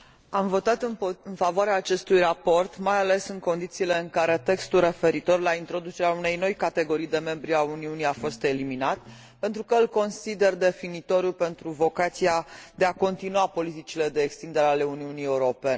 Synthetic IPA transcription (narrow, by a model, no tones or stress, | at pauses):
amvo̞t̪at̪ɨnɨnfavoaɾeaːt͡ʃe̞st̪ujrapo̞rt̪majale̞sɨŋko̞nd̪it̪siːle̞ɨŋkaɾe̞t̪e̞kst̪ulre̞fe̞ɾit̪o̞rlaint̪ɾo̞d̪ut͡ʃe̞ɾeaune̞jno̞jkat̪e̞ɡo̞ɾijd̪e̞me̞mbɾiauniuniafo̞st̪e̞liminat̪ | pe̞nt̪ɾukəɨlko̞nsid̪e̞rd̪e̞finit̪o̞ɾjupe̞nt̪ɾuvo̞kat̪siad̪e̞ako̞nt̪inuapo̞lit̪it͡ʃile̞d̪e̞ːkst̪ind̪e̞ɾeale̞uniunie̞uɾo̞pe̞n